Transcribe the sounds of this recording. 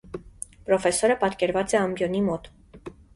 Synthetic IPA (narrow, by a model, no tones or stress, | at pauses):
pɾɔfɛsɔɾəpɑt̪kɛɾvɑt͡sɛɑmbjɔnimɔt̪